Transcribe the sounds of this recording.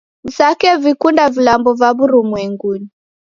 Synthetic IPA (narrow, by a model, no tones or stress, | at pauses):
nzakɛvikundavilambɔvaβuɾumwɛŋɡuni